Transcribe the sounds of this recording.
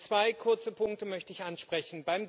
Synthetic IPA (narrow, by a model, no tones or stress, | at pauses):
t͡sv̥aɪkʰʊɐt͡səpʰʊŋk̚təmœçtəɪçʔanʃpʁ̥ɛçn̩baɪm